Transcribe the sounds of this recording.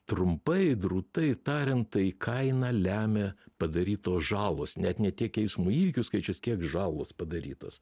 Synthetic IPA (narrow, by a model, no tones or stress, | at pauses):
t̪ɾʊmpɐɪd̪ɾuːt̪ɐɪt̪ɑːɾʲɛntt̪ɐikʰɐɪnɑːlʲæːmʲepɐd̪ɐɾʲiːt̪oːsʒɑːlˠoːsnʲɛt̪nʲɛt̪ʲiɛkɛɪsmuːiːʋʲɪkʲʊskɐɪt͡ʃʲʊskʲiɛkʒɑːlˠoːspɐd̪ɐɾʲḭːt̪o̰ːs